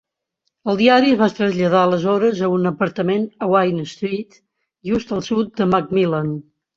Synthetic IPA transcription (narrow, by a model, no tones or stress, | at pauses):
əlˠd̪iaɾiəzβast̪ɾəzʎəð̞aələzɔɾəzəunəpəɾt̪əmenəwajnəst̪ɾit̪ | ʒust̪əlˠsut̪̚d̪əmak̚milan